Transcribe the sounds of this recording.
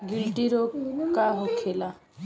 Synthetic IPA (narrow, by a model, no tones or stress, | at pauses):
ɡilʈiɾokaɦokʰela